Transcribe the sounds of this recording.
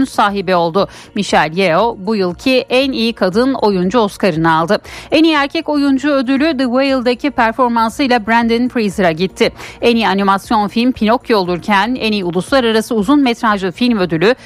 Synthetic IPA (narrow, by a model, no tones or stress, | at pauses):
nsaːɦibio̞lˠd̪ʊ | miʃɛlʲjeo̞bujɯlˠcʰiʔænijikʰad̪ɯno̞jund͡ʒuo̞skaɾɯnɯalˠd̪ɯɛnijæɾcʰɛco̞jund͡ʒuø̞d̪ylʲyd̪ɯwejlˠd̪acʰipʰæɾfo̞ɾmansɯjlˠabɾænd̪ɨnfɾizɯɾaɟit̪ʰːɪenijanimasjo̞nfilʲmpʰino̞kjo̞lˠuɾcʰænɛnijulˠuslˠaɾaɾasɯuzunmɛt̪ɾaʒɯfilʲmø̞d̪ylʲy